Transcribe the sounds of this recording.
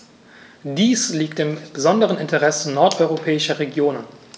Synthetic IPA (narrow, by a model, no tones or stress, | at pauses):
d̥iːsliːktɪmb̥əzɔndəʁ̞ənɪntəʁɛsənɔɐtʔɔʏʁopʰɛːɪʃɐʁeɡjoːnən